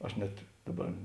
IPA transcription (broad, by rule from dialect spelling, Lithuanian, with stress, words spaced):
ˈɐʃ nʲɛt ˈdɑːˌbɐr